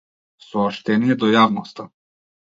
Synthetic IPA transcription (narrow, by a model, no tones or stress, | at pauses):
sɔːʃt̪ɛnijɛd̪ɔjavnɔst̪a